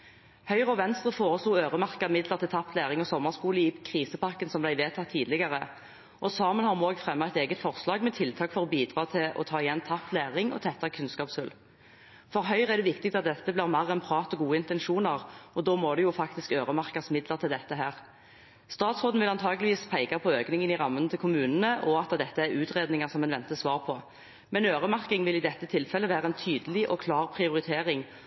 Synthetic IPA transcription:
hœʏʁɔʋɛnst̪ʁəfoːʁəsluːøːʁəmɑʁkəmɪd̪ləʁt̪ʰɪlt̪ʰɑp̪ːlæːʁɪŋɔsɔmːəʁskuːləjiːpkʰʁiːsəpɑʁkənsɔmblæɪʋeːt̪ʰɑt̪ʰːiːd̪lɪɡɑʁə | ʔɔsɑːmənhɑʁmoːɡfʁɛmːɑæɪt̪eːɡət̪fɔʁslɑːɡmɛt̪ʰɪlt̪ʰɑːkfɔʁɔbiːd̪ʁɑːt̪ʰɪɔ̰t̪ʰɑːɪjɛnt̪ʰɑplæːʁɪŋɔ̰t̪ʰɛt̪ːɑkʰʉnskɑːpshʉl | fɔʁɦœʏʁɛʁd̪ɛʋɪkt̪ɪk̚t̪ɑt̪̚d̪ɛt̪ːəblɪːʁmɑʁɛnpʰʁɑːt̪ɔɡuːəɪnt̪ɛnʃuːnəʁɔd̪oːmoːd̪ɛjʊfɑkt̪ɪskøːʁəmɑʁkɑsmɪd̪ləʁt̪ʰɪld̪ɛt̪ːəɦæːʁ | st̪ɑːt̪sʁoːd̪n̩ʋɪlɑnt̪ʰɑːɡəlɪʋiːspʰæɪɡɑpʰɔøːknɪŋənɪʁɑmːənət̪ʰɪlkʰʊmʉːnənəʔɔɑt̪əd̪ɛt̪ːəæɾʉːt̪ʁeːd̪nɪŋəʁsɔmːɛnʋɛnt̪əsʋɑːʁpʰɔ | mɛnøːʁəmɑʁkɪŋʋɪlɪd̪ɛt̪ːət̪ʰɪlfɛlːəʋæːʁəɛnt̪ʰyːd̪əlɪʔɔkʰlɑːʁpʰʁɪʊʁɪt̪ʰeːʁɪŋ

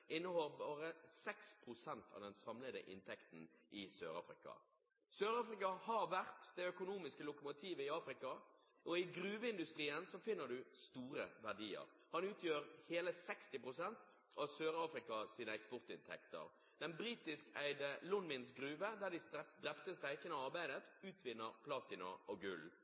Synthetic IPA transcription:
ʔɪnːəhɔlbɑːɾəsɛkspʰɾʊsɛnt̪ʰɑ̰ʋd̪ɛnsɑmləd̪ə̰ʔɪ̰nt̪ʰɛkt̪n̩ʔɪsø̰ːɾɑ̰ːfɾɪ̰kɑ̰ | søːɾɑːfɾɪkɑhɑʋæʁt̪d̪ɛœkʊnuːmɪskəlʊkʊmʊt̪ʰiːʋəɪɑːfɾɪkɑ | ʔɔɪɡɾʉːʋəɪnd̪ʉst̪ɾiːənsɔfɪnːəɖ̪ʉst̪uːɾə̰ʋæʁɖiːə̰ʁ | hɑnʉːt̪ʰjøːɾheːləsɛkst̪ɪpʁʊsɛnt̪ | ɑʋsøːɾɑːfɾɪkɑsiːnəɛkspɔʁt̪ɪnt̪ʰɛ̰kt̪ə̰ʁ | d̪̥ɛnbɾiːt̪ɪskæ̰ɪd̪əlʊnmɪnsɡʁʉːʋəd̪æʁd̪ɪsɛd̪ʁɛpt̪əst̪æɪkənəɑʁbæɪd̪ət̪ʉːt̪ʰʋɪnːəʁpʰlɑːt̪ɪnɑ̰ɔɡʉ̰l

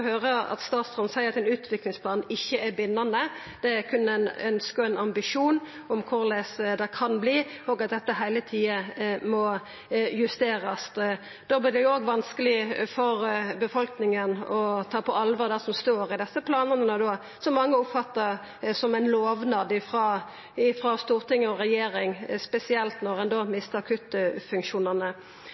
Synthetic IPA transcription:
høːɾəɑ̰t̪st̪ɑːt̪sfʁɑnsæɪəɾɑt̪ɛnʉːt̪ʰʋɪklɪŋspʰlɑːnɪçːəæɾbɪnːɑnə | d̪̥ɛækʰʉnːəænœnskəɔɛnɑmbɪʂuːn | ɔmkʰʊɾlæsd̪ɛkʰɑnbliːoːɡɑt̪̚d̪ɛt̪ːəɦæɪlət̪ʰiːəmɔ | jʉst̪eːɾəs | d̪̥oːblɪːɾd̪ɛjʊoːɡʋɑnskəlɪfɔɾbəfɔlknɪŋənɔt̪ʰɑːpʰɔɑlʋɑɾd̪æʁsɔmst̪oːɾɪd̪ɛsːəpʰlɑːnənənəd̪oː | sɔmːɑŋːəʊpfɑt̪ːəɾ | sɔmæɪnloːʋnɑd̪ɪfʁɑː | ɪfʁɑːst̪uːʁt̪ɪŋːəɔʁɛjeːɾɪŋspɛsɪɛlt̪nɔʁɛnd̪oːmɪst̪əʁkʰʉt̪ːfʉŋkʃuːnənə

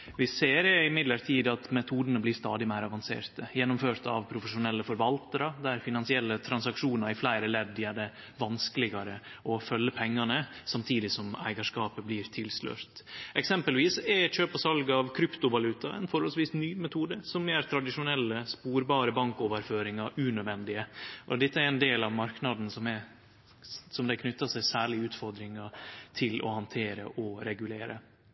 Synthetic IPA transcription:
ʋɪseːɾɪmɪd̪ləɾt̪ʰiːd̪ɑt̪mɛt̪ʰuːd̪ənəblɪːst̪ɑ̰ːd̪ɪmæɪɾɑʋɑnsḛːɾt̪əjɛnːʊmføːɾt̪ɑ̰ʋpʰɾʊfəʂʊnɛlːəfɔɾʋɑlt̪əɾəd̪æɾfɪnɑnsɪɛlːət̪ʰɾɑnsɑkʂuːnɑɾɪflæɪɾəlɛd̪ːjæɖɛ | ʋɑnskəlɪɡɑɾəʔɔfœlːəpʰɛŋːɑnəsɑmt̪ʰiːd̪ɪsɔmæ̰ɪɡɑʂkɑːpəblɪːɾt̪ʰɪlslø̰ːɾt̪ʔɛksɛmpəlʋiːsɛɕøːpɔsɑlɡəɑʋkʰɾʏpt̪ʊʋɑlʉːt̪ɑɛ̰nfɔɾhɔlsʋiːsnyːmɛt̪ʰuːd̪əsɔmːeːɾt̪ʰɾɑd̪ɪʂʊnɛlːəspuːɾbɑːɾəbɑŋkoːʋəɾføːɾɪŋɑʔʉnœd̪ʋɛnd̪ɪəʔɔd̪ɛt̪ːəæɾɛnd̪eːlɑʋmɑɾknɑd̪n̩sɔmɛ | sɔmd̪ɛkʰnʏt̪ːɑsæɪsæːɭɪʉːt̪fɔɾd̪ɾɪŋɑt̪ʰɪlɔ̰hɑnt̪ʰeːɾə̰ʔɔɾɛɡʉleːɾə̰

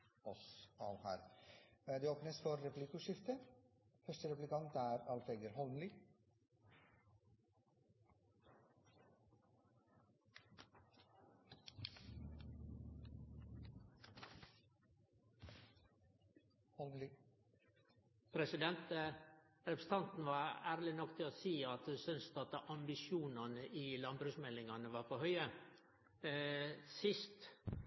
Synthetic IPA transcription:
ɔsɑːʋhæ̰ːɾ | d̪eːoːpnəsfɔɾːɛplɪkʉːʂɪft̪ə | fœʂʈəɾɛplɪkɑnt̪æːɾɑlfeɡəɾɦɔlnlɪ | pʰɾɛsɪd̪ɛnt̪ə | ɾɛpɾəst̪ʰɑnt̪n̩ʋɑːɾæːɾlɪnɔkt̪ʰɪloːsiːɑt̪hʉsʏnst̪ɑt̪ʔɑmbɪʃjuːnɑnəʔiːlɑnbɾʉːsmɛlɪŋɑnəʋɑːɾpʰohœʏə | sɪst̪

